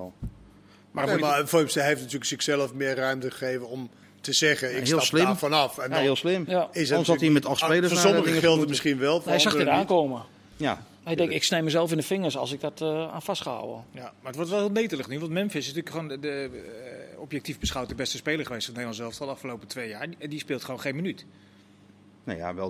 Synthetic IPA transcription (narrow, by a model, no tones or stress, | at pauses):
maafojmstəɦeftnatyːləksɪksɛlˠəfmɪərrœɥmtəəxeːvənɔm | təzɛɣəɪɦiəlˠslɪmfɔnɔfɛnɦiəlˠslɪmaɪsnsɔtiəmɛtɔxspejləsnasɔədɪŋfɪlˠtəmɪsχinʋɛlˠfɛsaxədaːnkoːmə | ja | ɛjdɛŋkɪksnejməzɛlˠfɪndəfɪŋəsɔ̰lˠsɪɡ̚dɔta̰ːnfastχəa̰wə̰jamarətʋɔɹtʋɛlˠhɪːlˠneːtələχnyʋɑntmɛmfɪsɪstyːləkχoːndə | ɔpjɛk̚tifbəsχawt̚əbɛstəspeːlərχəʋestneːdlɑnsɛlˠfstɔlˠɑfkəlowpətʰʋeːjaːɹndispɪːlˠtχəʋownxeːnmənyt | na̰ja̰ʋɛ̰l